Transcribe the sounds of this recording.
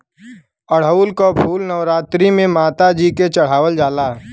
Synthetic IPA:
əɽ̤əulkobʰʱuːlnəʋɾaːt̪ɾimẽmaːt̪ad͡ʒiket͡ʃəɽ̤aːwəld͡ʒaːlaː

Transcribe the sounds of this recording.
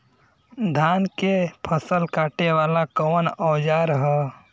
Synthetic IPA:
d̪ʱaːnkepʰəsəlkaːʈeʋaːlakɔːnɔːd͡ʒaːɾɦɛ

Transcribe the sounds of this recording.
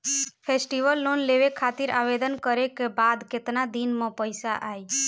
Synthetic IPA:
pʰesʈiʋəlːonleʋekʰat̪iɾa̰ʋed̪ənkəɾekebad̪ket̪nad̪inmɔ̃pəjsaʔaːj

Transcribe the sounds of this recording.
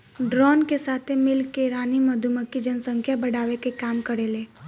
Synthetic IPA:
ɖɾɔːnkesaːt̪ʰemɪlkːeɾaːnimɐd̪ʱuməkːid͡ʒɐnsə̃ŋkʰjabɐɽaːʋekekaːmkɐɾeːleː

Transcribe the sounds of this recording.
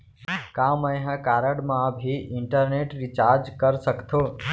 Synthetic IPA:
kãmə̃jɦə̃kaːɾəɽmãbʱiʔɪɳʈəɾneʈɾit͡ʃaːɾd͡ʒkəɾsəkt̪ʰoː

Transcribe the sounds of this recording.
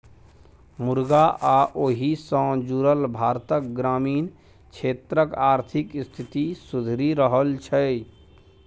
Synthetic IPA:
muɾɡaʔaʔoɦisə̃d͡ʒuɾəlbʱaːɾt̪ək̚ɡɾaːmiːn | t͡ʃʰet̪ɾəkaːɾt̪ʰikst̪ʰit̪isud̪ʱɾiɾəɦəlt͡ʃʰə

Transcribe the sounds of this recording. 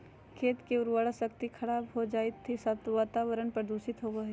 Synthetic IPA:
kʰeːt̪keʊɾwaɽəsək̚t̪ikʰɐɽaːbɦod͡ʒaːɪt̪ʰːisaːt̪ʋaːt̪aːʋəɾənpɾəd̪uːʃɪt̪ɦoʋɐɦe

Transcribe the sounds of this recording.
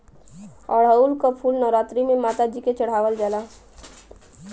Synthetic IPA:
ɔːɾɦəulkapʰuːlnɔʋɾaːt̪ɾimẽmaːt̪ad͡ʒiket͡ʃəɽ̤aːʋəld͡ʒaːla

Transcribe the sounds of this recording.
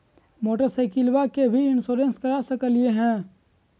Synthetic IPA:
moːʈəɾseɪkilwakebʱiɪnsoːɾẽnskəɾasəkəlɪeɦɛ̃ː

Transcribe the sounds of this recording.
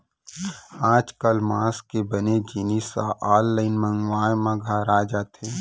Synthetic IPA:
aːd͡ʒkəlmaːskebɐned͡ʒinisa̰ʔaːlːəɪnmə̃ŋɡʋaːjmaɡʱaɾaːd͡ʒat̪ʰẽː

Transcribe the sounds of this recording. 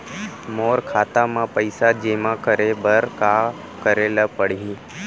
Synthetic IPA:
moːɾkʰat̪amãpəjsad͡ʒemãkəɾebəɾka | kəɾelapəɽiɦĩ

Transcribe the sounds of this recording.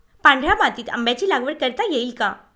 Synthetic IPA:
pãɳɖʱɾamat̪iːt̪ə̰mbjat͡ɕiːlaɡʋəɽkəɾt̪ajeilka

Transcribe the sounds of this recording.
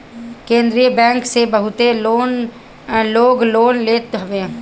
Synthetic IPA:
kẽːnd̪ɾijəbɛ̃ːŋksebəɦʊt̪eloːn | loːɡloːnleːt̪ɦɐʋẽː

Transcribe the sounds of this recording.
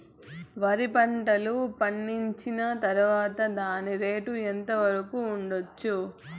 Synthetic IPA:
ʋɐɾipɐɳʈɐlupɐɳːiɲt͡ʃinɐt̪ɐɾuʋaːt̪ɐd̪aːniɾe̞ːʈuent̪ɐʋɐɾɐkuːɳɖot͡ʃːu

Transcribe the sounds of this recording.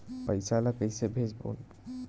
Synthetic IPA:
pəjsalakəjsebʱed͡ʒbo̰n

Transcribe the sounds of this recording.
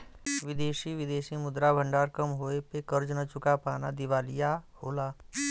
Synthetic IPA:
ʋɪd̪eːʃiʋɪd̪eːʃimʊd̪ɾabʱə̃ɳɖaːɾkəmɦoːepekəɾd͡ʒnət͡ʃʊkapaːnad̪ɪʋaːlijahoːlaː

